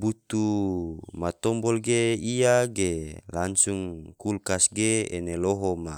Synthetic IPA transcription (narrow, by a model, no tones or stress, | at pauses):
but̪u | mat̪ɔmbɔlɡeiaɡelansuŋkulkasɡeḛneloɦoma